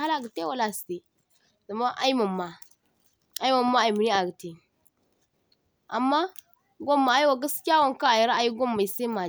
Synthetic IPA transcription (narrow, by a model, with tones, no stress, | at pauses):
a˦la˨ɡə˨te˦wa˦la˨ste˨ | za˨ma˦ʔa̰˦i˦ma˨mːa˨ | a˨˦i˦ma˨mːa˦a˨i˨mi˨ni˦a˨ɡə˨te˨ | a̰˨mːa˦ | ɡʷo˦mːa˨a˦i˦wa˨ɡa˦skʲi˦ja˦wa˨ŋ˨ka˦a˨ji˨ɾa˦a˨ji˦ɡo˦mːa˨i˨se˦ma˨